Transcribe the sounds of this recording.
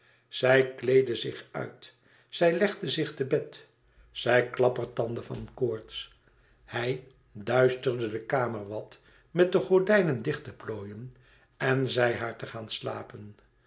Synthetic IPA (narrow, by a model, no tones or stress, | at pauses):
z̥ɛjklejdəzɪχœ̰ɥt | sɛjlɛχdəzɪχtəbɛt | sɛjklɑpərtɑndəvɑ̰nkoːɹts | hɛj | dœɥstərdədəkaːməɹʋɑt | mɛt̚dəχɔɹdɛjnəndɪχtəploːjən | ɛnzɛjɦaːɹtəχaːnsla̰ːpən